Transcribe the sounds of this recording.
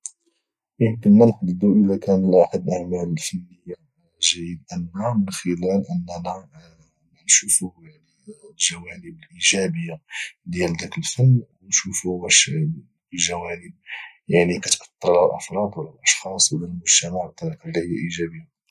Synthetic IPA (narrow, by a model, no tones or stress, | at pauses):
jəmkənːænħd̪əd̪ːuʔəlækænəlʔaħad̪ʔaʕmæləlfænːəjːa | ʒæjəd̪ʔənːamənxəlælʔənːænæ | mænʃufuhjaʕnilʒæwænəbəlʔiʒæbəjːad̪jæld̪ækəlfənːwnʃufubæʃ | əʒæwænəb̚ | jaʕnikæt̪ʔɑ̥t̪ˤːɑɾˤlhlʔɑ̰fɾˤɑd̪wəlːælʔɑʃxɑsˤwəlælmʊʒt̪æmaʕt̪ːɑqlːihəjːæʔiʒæbəjːa